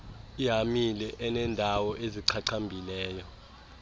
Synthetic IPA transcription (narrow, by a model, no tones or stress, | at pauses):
iɦamilɛʔɛnɛndʱawɔʔeziǀʰaǀʰambʱilɛːjɔ